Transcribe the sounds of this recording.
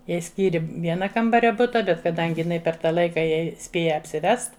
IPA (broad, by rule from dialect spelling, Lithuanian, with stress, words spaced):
ˈjɛɪ ˈsʲkʲiːrʲɪ ˈʋʲiɛnɐ ˈkɐmbɐrʲɛ ˈbʊtɐ ˈbʲɛt kɐˈdɐŋʲɡʲɪ pʲɛr ˈtɐ ˈlˠɐɪkɐ ˈjɛɪ ˈsʲpʲeːjɛ ɐpʲsʲɪˈʋʲɛst